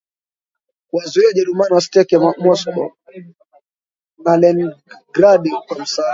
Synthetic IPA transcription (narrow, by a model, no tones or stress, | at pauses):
kwazuiaʄaɾumaniwastɛkamɔsɔɓɔ | nalɛnɡɾaɗikwam̩saː